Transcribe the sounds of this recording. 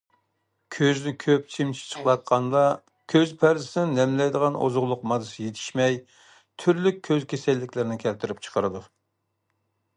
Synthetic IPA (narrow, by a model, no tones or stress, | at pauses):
kʲʰøznɪkʲʰøp̚t͡ʃʰimt͡ʃʰi̥t͡ʃʰə̥χlˠɑt̪̚qʰɑnd̪ɑ | kʲʰøzpʰæɾzɪsɪnɪnɛmlɛjd̪əʁɑno̰zʊʁlˠʊqmɑd̪ɨsɨjet̪ʰɪ̥ʃmɛj | t̪ʰyɾlykʲʰːøzkʲesɛlːɪkʲlɪɾɪnɪkʲʰɛlt̪ʰɪɾɪp̚ʲt͡ʃʰə̥qʰəɾɨd̪u